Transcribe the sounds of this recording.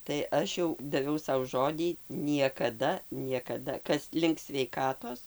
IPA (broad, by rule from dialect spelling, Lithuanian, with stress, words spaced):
tɐɪ ˈɐʃ jɛʊ dɐˈʋʲɛʊ ˈsɐʊ ˈʒoːdʲiː nʲiɛkɐˈdɐ nʲiɛkɐˈdɐ ˈkɐs lʲɪŋk sʲʋʲɛɪˈkɑːtoːs